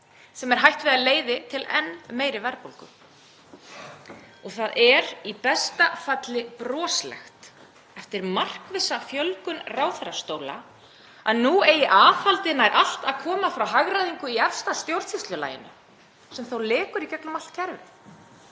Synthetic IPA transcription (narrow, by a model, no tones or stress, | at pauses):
sɛmɛɾ̥ɦajht̪vɪðaleːjðɪt̪ʰɪlɛ̰nmeːjɾɪvɛɾpowlkʏ | ɔɣθaðɛɾipɛst̪afat̪lɪpɾɔːslɛ̰xt̪ | ɛft̪ɪɾmar̥kvɪsafjœlkʏnraːwθaɾast̪oːwla̰ | aðnːueːjɪʔaːfalt̪ɪnaɛɾʔal̥t̪aðkʰɔːmafɾawɦaɣɾaðiŋkʏiɛfst̪ast̪jowɾsist̪lʏla̰ːjɪ̰nʏ̰ | sɛmθowlɪːkʏɾicɛklʏmal̥t̪̚cʰɛɾvɪ